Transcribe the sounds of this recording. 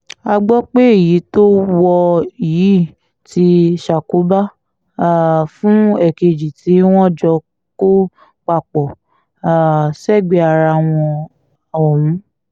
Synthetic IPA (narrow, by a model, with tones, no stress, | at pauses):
a˧ɡ͡bɔ˦k͡pe˦i˨ji˨˦to˦wɔ˧i˨ji˨˦˨ | ti˧˦ʃa˨ko˨˦ba˦˨ | fũ˦ɛ˨ke˧d͡ʒi˨ti˨˦w̃ɔ̃˦d͡ʒɔ˧ | ko˦ | k͡pa˨k͡pɔ˨ | a˨sɛ˦˨ɡ͡be˧a˨ɾa˧w̃ɔ̃˧ | a˨wɔ˨wũ˨˦